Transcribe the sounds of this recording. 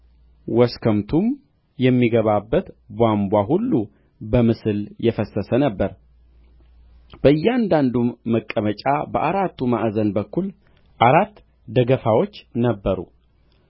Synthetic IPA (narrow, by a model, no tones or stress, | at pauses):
wɔskʰəmt̪ʰum | jɛmːiɡəβabːət̪ | bʷambʷaɦulːu | bəmɨsɨljɛfəsːəsənəbːəɾ | b̥əɨjːɛand̪and̪umːəkʼːəmət͡ʃʼabəʔaɾat̪ʰːumaʔzənbəkʰːul | ʔaɾat̪ː | d̪əɡəfawo̞t͡ʃːnəbːəɾṵ